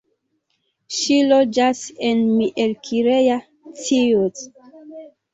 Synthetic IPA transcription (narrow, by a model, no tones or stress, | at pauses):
ʃilod͡ʒasenmiʔelkʰiɾeja | tiut